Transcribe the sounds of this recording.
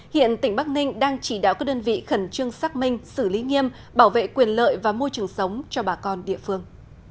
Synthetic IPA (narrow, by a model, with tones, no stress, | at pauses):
hḭ˧˨ənt̪ï˧˩ŋ̟ɓaː˦˥k̚nï˧ŋ̟ɗaː˧ŋt͡ɕi˧˩ɗa̰ː˧˨wkaː˦˥k̚ɗəː˧nvḭ˧˨xə˧˩nt͡ɕɨ˧əŋsaː˦˥k̚mï˧ŋ̟sɨ˧˩li˨˦ŋi˧əm | ɓaː˧˩wvḛ˧˨kwi˨˩ənlə̰ː˧˨jvaː˨˩mo˧jt͡ɕɨ˨˩əŋsə˨˦wŋ͡mt͡ɕɔ˧ɓaː˨˩kɔ˧nɗḭ˧˨əfɨ˧əŋ